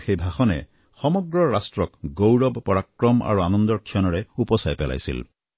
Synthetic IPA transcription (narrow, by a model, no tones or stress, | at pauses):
xejbʱaxɔnɛ̰ | xɔmɔɡɹɔɹastɹɔkɡowɹɔbpɔɹakɹɔmʔa̰ɹuanɔnd̪ɔɹkʰijɔnɔɹɛupɔsajpɛla̰jsḭl